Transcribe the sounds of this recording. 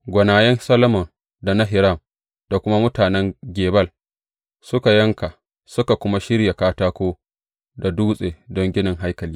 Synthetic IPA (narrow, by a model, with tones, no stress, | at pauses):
ɡʷɐ˨naː˨jɛ˦nsɐ˦lɐ˦mɔ˨n | da˨na˦ɦɪ˨ɾɐ˦˨m | d̥a˨kʷʊ˦ma˦mʊ˦taː˨nɛ˦ŋɡʲeː˨bɐ˦l | sʊ˦ka˨jɐ˦ŋka˨ | sʊ˦ka˨kʷʊ˦ma˦ʃɪ˦ɽja˨kaː˦taː˦kʷoː˦ | da˨duː˦sʼeː˨dɔ˦ŋɡʲɪ˦nɪ˨ŋɦa˦jkɐ˨liː˦